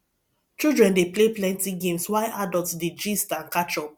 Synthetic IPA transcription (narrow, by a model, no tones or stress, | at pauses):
t͡ʃildɹɛ̃ndepleplɛ̃ntiɡẽmswaɪʔadɔltded͡ʒistãnkat͡ʃɔ